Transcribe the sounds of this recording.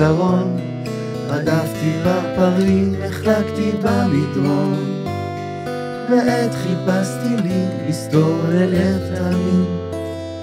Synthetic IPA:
aʁon | ʁadaft̪ibapaʁimeχlakt̪ibalid̪ʁon | veʔet̪χipast̪iliist̪oɛletaamim

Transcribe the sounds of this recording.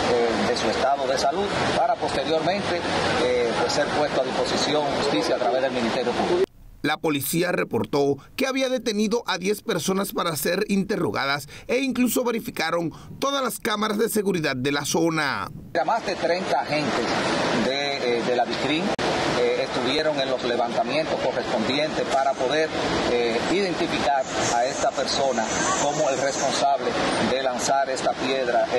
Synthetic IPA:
ed̪e̞suest̪aðo̞ðe̞saluð̚paɾapo̞st̪e̞ɾjo̞ɾmẽ̞nt̪e̞ | pwesːe̞ɾpwe̞st̪oaðispo̞sisjo̞ŋxust̪isjat̪ɾaβe̞zðe̞lmĩnist̪e̞ɾjofut̪uɾo | lapo̞lisiare̞po̞ɾt̪o̞ke̞aβiaðe̞t̪e̞niðo̞ʔaðje̞spe̞ɾso̞naspaɾase̞ɾint̪e̞ro̞̰ɣaðase̞iŋkluso̞βe̞ɾifikaɾo̞nt̪o̞ðalaskamaɾazðe̞se̞ɣuɾiðad̪̚d̪ːe̞laso̞na̰ɾamazðe̞t̪ɾe̞nt̪aːxe̞nt̪e̞sd̪eðelaβik̪ɾiŋː | st̪uβje̞ɾo̞ŋe̞nlo̞sle̞βant̪amjẽ̞nt̪o̞sko̞re̞spo̞nd̪je̞nt̪e̞spaɾapo̞ðe̞ɾeiðe̞nt̪ifikaɾae̞st̪ape̞ɾso̞nako̞moelre̞spo̞nsaβleðe̞lansaɾe̞st̪apje̞ðɾa

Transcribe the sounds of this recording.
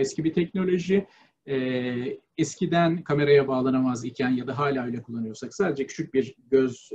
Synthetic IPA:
ɛscʰibit̪ʰɛcno̞lʲo̞ʒiː | ɛscid̪ænkʰame̞ɾajabaːlˠanamazicʰænjad̪aɦaːlʲaːøjlʲɛkʰulˠːanɯjoɾsaksaːd̪e̞d͡ʒɛcʰyt͡ʃʰyc̚biɾɟøz

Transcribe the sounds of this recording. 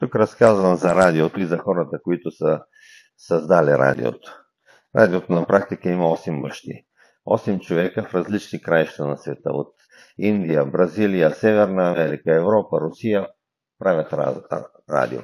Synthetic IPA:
t̪ukɾɐskazvɐmzɐɾad̪iot̪oizɐxɔɾɐt̪əkoit̪ʊsə | sɐzd̪aliɾa̰d̪ḭo̰t̪o̥ | ɾa̰d̪iot̪onɐpɾak̚t̪ikəimɐɔsɛmbɐʃt̪ḭ | ɔsɛmt͡ʃovɛkəfɾɐzlit͡ʃnikɾajʃt̪ɐnɐsvɛt̪ə̰o̰t̪ | ind̪ijəbɾɐzilijəsɛvɛɾnɐːmɛɾikəɛvɾɔpɐɾʊsijə | pɾavʲɐt̪ | ɾa̰d̪ḭo̰

